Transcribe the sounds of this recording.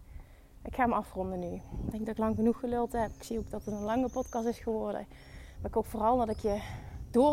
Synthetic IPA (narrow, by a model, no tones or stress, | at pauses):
ʔɪkxaːməɑfrɔndənydɛŋɡdɑtɪklɑŋɣənuxːəlølˠtəɦɛpɪksiowk̚dɑtətənlɑŋəpɔtkɑstɪsχəʋɔrdə̰ | aɪkowkfoːrɑlˠdɑtɪkjədʊː